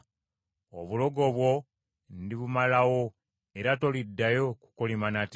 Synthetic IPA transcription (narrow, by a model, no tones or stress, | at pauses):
o̰βulo̞ɡo̞βwo̞ | ndiβumalawo̞ | e̞ɾato̞lidːajo̞ku̥kolimanat